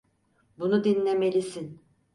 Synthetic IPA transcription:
bunud̪inlʲeme̞lʲisin

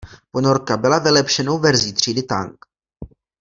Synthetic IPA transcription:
pono̞ɾkabɪlavɪlɛpʃɛno̞wvɛɾziːt̪r̝̥iːdɪt̪a̰ŋk

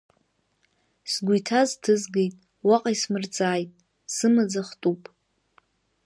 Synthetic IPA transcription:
sɡʷujtʰaztʰɨzɡejtʼ | waqʼaismɨrt͡sʼaːjtʼ | sɨmad͡zaχtʼupʼ

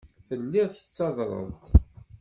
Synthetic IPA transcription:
θəlːiʁθət͡sːɑðɾˤə̰ðt̪

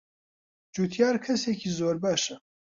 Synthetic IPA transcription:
d͡ʒuːt̪ʰjɑːɾkʰɐseːkʰiːzoːɾbɑːʃɛ

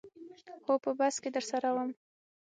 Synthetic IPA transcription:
xopəbasked̪əɾsaɾawəm

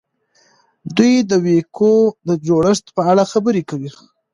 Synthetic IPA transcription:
d̪ujd̪əwekʰod̪əd͡ʒoɽəʂt̪pəaɽaxabəɾekawi

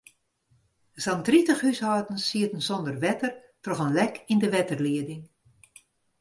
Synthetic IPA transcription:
zantritəxhyshɔːtən̩siətən̩zɔndərʋɛtər | trɔɣənlɛkʰindəʋɛtərliədɪŋ

